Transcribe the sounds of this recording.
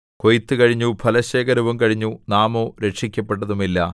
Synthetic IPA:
ko̞jt̪ːɨkɐɻiɲːupʰɐlɐɕeːkɐɾɐʋɐmkɐɻiɲːunaːmoːɾe̞ʈʂikʲːɐpːe̞ʈːɐðumilːɐ

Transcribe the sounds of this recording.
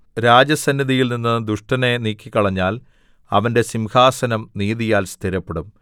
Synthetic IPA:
ɾaːd͡ʑɐsɐnːɐðijilninːɨd̪uʂʈɐne̞niːkʲːikːɐɭɐɲːaːl | ɐ̰ʋɐnde̞simhaːsɐnɐmniːðijaːlst̪ʰiɾɐpːeɽum

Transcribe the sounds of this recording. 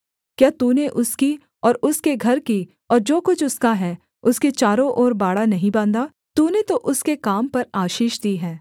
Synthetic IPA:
kjaːt̪uːneʔʊski | ɔːɾʊskeɡʱɐɾki | ɔːɾd͡ʒoːkʊt͡ʃʰʊskaɦɛː | ʊsket͡ʃaːɾõʔɔːɾbaːɽanɐɦĩbãːnd̪aː | t̪uːnet̪oʔʊskekaːmpɐɾaːʃiːʃd̪iːɦɛ̃ː

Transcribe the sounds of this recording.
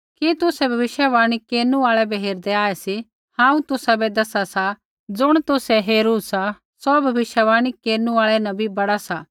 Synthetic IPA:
kit̪ʊsɛbʱɐʋɪʃjəʋãːɽ̃ikeːɾnũaːɭɛbɛɦeːɾd̪ɛaːɛsi | hãːũt̪ʊsabɛd̪ɐsasa | d͡zʊɽ̃t̪ʊsɛɦeːɾuːsa | sɔbʱɐʋɪʃjəʋaːɽ̃ikeːɾnũaːɭɛnɐ̃bʱibɐɽasaː

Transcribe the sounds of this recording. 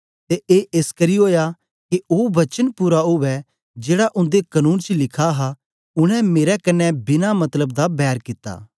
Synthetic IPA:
t̪eʔeːʔeːskɐɾioːja | kioːʋɐt͡ʃənpʊɾaɦʊʋɛ | d͡ʒeːɽaʔʊ̃nd̪ekɐnuːnt͡ʃlɪkʰaɦa | ʊɽ̃ɛ̃meːɾɛkɐnːɛbɪnamɐt̪ləbd̪abɛːɾkɪt̪ːa̰ː

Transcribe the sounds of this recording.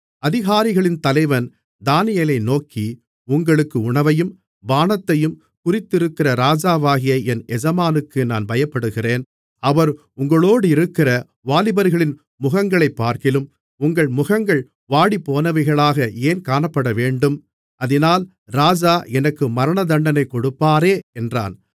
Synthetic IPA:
ɐðɪɣaːɾɪɣɐɭɪnt̪ɐlɐɪʋɐn | d̪aːnɪjɐlɐɪnoːkːi | ʊŋɡɐɭɯkːɯʊɳɐʋɐjɯm | baːnɐt̪ːɐjɯm | kʊrɪt̪ːɪɾɯkːɪrɐɾaːd͡ʒaːʋaːɣɪjɐɛnɛd͡ʒɐmaːnɯkːɯnaːnbɐjɐpːɐɽɯɣɪreːn | ɐʋɐɾ | ʊŋɡɐɭoːɽɯɪɾɯkːɪrɐ | ʋaːlɪbɐɾɣɐɭɪn | mʊɣɐŋɡɐɭɐɪpːaːɾkɪlɯm | ʊŋɡɐɭmʊɣɐŋɡɐɭ | ʋaːɽipːoːnɐʋɐɪɣɐɭaːɣɐeːnkaːnɐpːɐɽɐʋeːɳɖɯm | ɐðɪnaːl | ɾaːd͡ʒaːɛnɐkːɯmɐɾɐɳɐd̪ɐɳɖɐnɐɪkːɔɽɯpːaːɾeːɛndra̰ːn

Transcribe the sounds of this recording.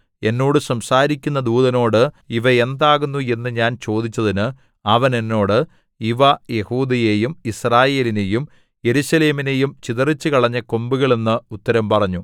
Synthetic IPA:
e̞nːo̞ːɽɨsɐmsaːɾikʲːunːɐd̪uːðɐno̞ːɽɨ | iʋɐe̞nd̪aːɣunːue̞nːɨɲaːnt͡ɕo̞ːd̪it͡ɕːɐðinɨ | ɐʋɐne̞nːo̞ːɽɨ | iʋɐje̞huːd̪ɐje̞jumisraːje̞ːline̞jum | je̞ɾuɕɐle̞ːmine̞jumt͡ɕiðɐrit͡ɕːɨkɐɭɐɲːɐko̞mbuɣɐɭenːɨut̪ːɐɾɐmpɐrɐɲːu

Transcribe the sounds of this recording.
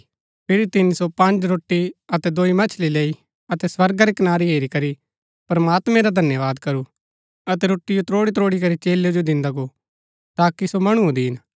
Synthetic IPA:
pʰɪɾit̪ɪnisopɐ̃ɲd͡ʒɾoːʈːiɐt̪ɛd̪oːimɐt͡ʃʰlileːi | ɐt̪ɛsʋɐɾɡaɾikɐnaːɾiɦeːɾikɐɾi | pɾɐmaːt̪mɛ̃ɾad̪ʱɐnjəʋaːd̪kɐɾu | ɐt̪ɛɾoːʈːijot̪ɾoːɽit̪ɾoːɽik̬ɐɾit͡ʃeːlːed͡ʒod̪ɪ̃nd̪aɡoː | t̪aːkisomɐɽ̃uõd̪iɦɪn

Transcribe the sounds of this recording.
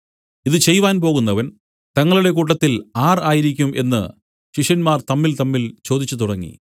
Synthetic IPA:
iðɨt͡ɕe̞jʋaːnp̬o̞ːɣunːɐʋɐn | t̪ɐŋːɐɭuɽe̞kuːʈ̬ːɐt̪ːilaːraːjiɾikʲːumʔe̞nːɨ̰ | ɕiʂɐnmaːrt̪ɐmːilt̪ɐmːilt͡ɕo̞ːd̪it͡ɕːut̪uɽɐŋːḭ

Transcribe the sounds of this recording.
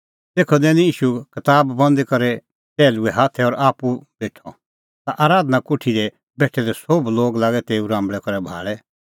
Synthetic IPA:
t̪eːkʰɔd̪ɛːnijiːʃukɐt̪aːbːɐ̃nd̪kɐɾɛ | pɛːluɛɦaːt̪ʰɛɔːɾaːpubeːʈʰɔ̰ | t̪aʔaːɾaːd̪nakʊʈʰid̪ɛ | bɛːʈʰɛd̪ɛsobloːɡlaːɡɛt̪eːuɾãːmbɭɛkɐɾɛbʱa̰ːɭɛ

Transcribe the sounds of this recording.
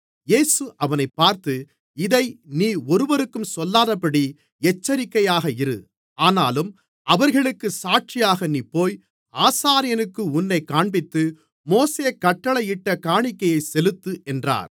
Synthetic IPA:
jeːsɯʔɐʋɐnɐɪpːaːɾt̪ɯ | ɪðɐɪniːɔɾɯʋɐɾɯkːɯmsɔlːaːðɐpːɐɽi | ɛt͡ʃːɐɾɪkːɐjaːɣɐɪɾɯ̰ | aːnaːlɯm | ɐʋɐɾɣɐɭɯkːɯsaːʈ̚t͡ʃɪjaːɣɐniːpːoːj | aːsaːɾɪjɐnɯkːɯʊnːɐɪkːaːɳbɪt̪ːɯ | moːseːkːɐʈːɐɭɐɪʈːɐkaːɳɪkːɐjɐɪsɛlɯt̪ːɯʔɛndra̰ːɾ

